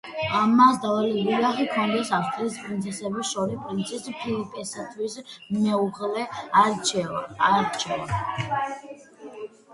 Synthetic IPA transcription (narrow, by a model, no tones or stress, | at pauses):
amasd̪avaliɡilaχikʰɔnd̪ɛsafst̪ʼɾiːspʼɾint̪sʰɛsɛbisʃɔɾispʼɾint̪sʰispʰilipʼɛsat̪ʰwismɛuʁlɛaɾt͡ʃɛaɾt͡ʃʰɛva